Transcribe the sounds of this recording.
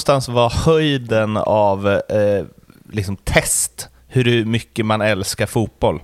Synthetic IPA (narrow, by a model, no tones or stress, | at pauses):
st̪ansvahœjd̪ənav | lɪksɔmt̪ʰɛst̪ | hɵɾmʏkːəmanɛlskaɾfuːt̪̚b̥ɔlː